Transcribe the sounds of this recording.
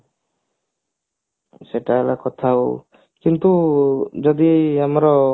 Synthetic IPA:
sɛʈaɛlakɔt̪ʰau | kint̪ud͡ʒɔd̪iamɾɔ

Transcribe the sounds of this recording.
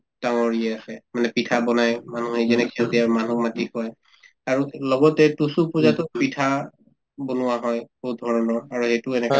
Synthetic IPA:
taŋɔɹiɛasɛmanɛpitʰabɔnajmanuɦezɛnɛkʰiɔtiaɹmanumatihɔj | aɹulɔɡɔtɛtusupuzatʊpitʰa | bonʊwaɦɔjbɔɦut̚dʱɔɹɔnɔɹaɹuhetʊɛnɛka

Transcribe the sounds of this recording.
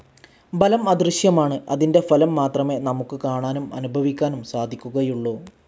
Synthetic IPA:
bɐlɐmɐd̪rɨɕjɐmaːɳɨɐðinde̞fɐlɐmːaːt̪rɐme̞ːnɐmukːɨkaːɳaːnumɐ̰nubʱɐʋikʲːaːnumsaːd̪ʱikʲːuɣɐjuɭːoː

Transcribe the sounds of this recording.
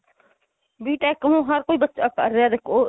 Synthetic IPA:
biːʈakəmũːɦɐɾkoːibɐtːt͡ʃakɐɾjaːd̪eko

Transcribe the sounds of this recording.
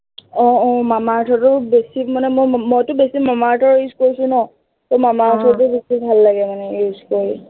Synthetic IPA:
ɔ̃ɔ̃mamatʰɔtʊbesimanɛmojmɔjtʊbesimamatʰɔɹiskoɹisʊ̃nɔ | tɔmamaatʰɔt̬ʊbesibʱalːaɡɛmanɛizkoɹi

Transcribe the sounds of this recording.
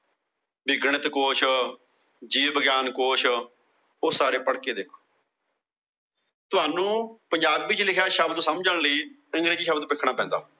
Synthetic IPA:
bɪɡɳət̪koːʃ | d͡ʒiːbəɡjaːnkoːʃ | oːsaːɾeːpəɽkeːd̪ɪkʰː | t̪ʊɦaːnũːpəɲd͡ʒaːbːɪt͡ʃlɪkʰjaːʃəbd̪səmd͡ʒəɳ̃ləiː | əŋɡɾeːd͡ʒiːʃəbd̪pɪkʰːɽ̃aːpɛ̃ːnd̪a̰ː

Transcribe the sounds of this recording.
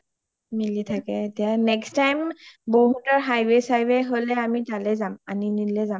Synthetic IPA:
militʰakɛetijanɛkstajmboɦutaɹɦajwesajbɛɦolɛamitalɛzamaninilɛzam

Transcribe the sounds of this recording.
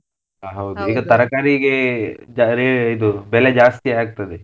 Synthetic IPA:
aɦɐwd̪uiːɡɐt̪ɐɾɐkaːɾiɡed͡ʒaɾeːɭid̪ubɛled͡ʒaːst̪ijaːɡ̚t̪ɐd̪e

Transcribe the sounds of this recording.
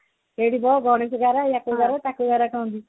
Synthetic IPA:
eɽibɔɡʱɔɽ̃eseɡaɾajakoɡaɾat̪akoɡaɾakãnd̪i

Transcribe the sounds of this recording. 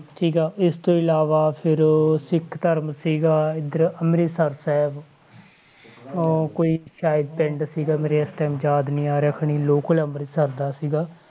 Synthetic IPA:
ʈʰiːkaːɪst̪õːɪlaːʋaːpʰɪɾsɪkʰt̪əɾmsiːɡaːɪd̪əɾəmɾiːsəɾsɛːb | koːiːʃaːjɪd̪̚pɛ̃ɳɖsiːɡaːmeɾeːəsʈ̪ɛːmd͡ʒaːd̪niːaːɾəkʰɳiːloːkələmɾiːsəɾd̪aːsiːɡaː

